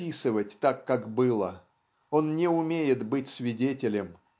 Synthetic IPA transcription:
isɨvətʲt̪akːakbɨlˠə | o̞nnʲɪʊmʲejɪt̪bɨtʲsvʲɪdʲetʲɪlʲɪm

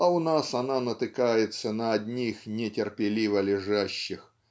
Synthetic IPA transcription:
ɐʊnasɐnanət̪ɨkajɪt̪sənəɐd̪ʲnʲixnʲɪtʲɪrpʲɪlʲivəlʲɪʐaɕːɪx

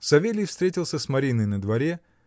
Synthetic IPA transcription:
sɐvʲelʲɪjfst̪ɾʲetʲɪlˠsʲəsmɐɾʲinəjnəd̪vɐɾʲe

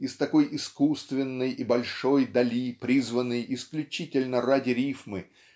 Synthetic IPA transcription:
ɪst̪ɐko̞jɪskust̪vʲɪnːɨjɪbɐlʲʂo̞jd̪ɐlʲipɾʲizvənːɨjɪsklʲʉt͡ɕitʲɪlʲnəradʲɪɾʲifmɨ

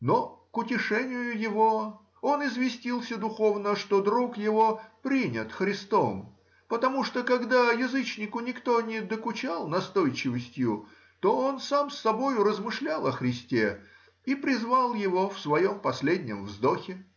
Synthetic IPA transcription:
no̞kʊtʲɪʂɛnʲɪjʊjɪvo̞ | o̞nɪzvʲɪsʲtʲilˠsʲəd̪ʊxo̞vnəʂt̪o̞d̪ɾukjɪvo̞pɾʲinʲət̪xɾʲɪst̪om | pət̪ɐmuʂt̪okɐɡd̪ajɪzɨt͡ɕnʲɪkʊnʲɪkt̪o̞nʲɪd̪əkʊt͡ɕalˠnɐst̪o̞jt͡ɕɪvəsʲtʲjʊ | t̪o̞o̞nsamsːɐbo̞jʊɾəzmɨʂlʲalˠɐxɾʲɪsʲtʲe | ipɾʲɪzvalˠjɪvofsvɐjo̞mpɐsʲlʲedʲnʲɪ̰mvzd̪oxʲɪ

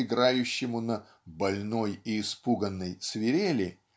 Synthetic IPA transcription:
ɪɡɾajʉɕːɪmʊnə | bɐlʲno̞jɪːspuɡənːəjsvʲɪɾʲelʲɪ

